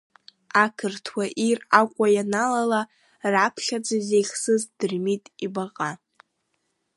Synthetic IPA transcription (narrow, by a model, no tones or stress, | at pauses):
akʰɨrtʰwaʔirakʷʼajanalala | rapʰχʲad͡zazejχʲsɨzdɨrmitʼibaqʼa